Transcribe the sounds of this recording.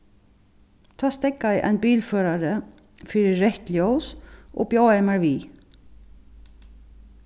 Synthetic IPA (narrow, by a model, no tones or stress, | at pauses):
t̪ʰaːst̪ɛkːajɪʔa̰jnbiːlfœːɾaɾɪ | fɪɾɪːɛht̪ljowsʔɔ̰bjoːwɛmaɹviː